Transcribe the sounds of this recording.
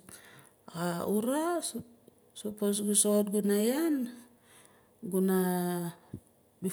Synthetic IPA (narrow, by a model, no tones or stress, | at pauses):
auɾa | soposɡusot̚ɡunajan | ɡuna | bi